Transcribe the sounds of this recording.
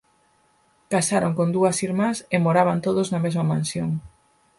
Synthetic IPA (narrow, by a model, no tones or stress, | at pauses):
kasaɾoŋkond̪uɐsiɾmasemoɾaβant̪oðoznɐmezmɐmãnsjoŋ